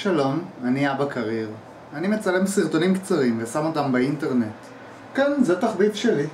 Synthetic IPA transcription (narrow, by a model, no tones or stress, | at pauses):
ʃalo̞maniabakʰaʁiʁ | animet͡salemsiʁt̪o̞nimkt͡saʁimvesamo̞tambeinteʁnet | kanzet̪aχbitʃeli